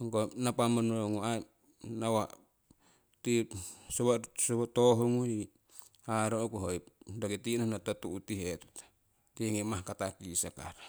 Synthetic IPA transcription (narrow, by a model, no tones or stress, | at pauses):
ŋkonapamonoŋua | nawa | tisoβasoβatoɦoŋui | haɾookuɦojp̚dakitinonatotuʔutihet | tiŋimahkatakisaka̰ɾ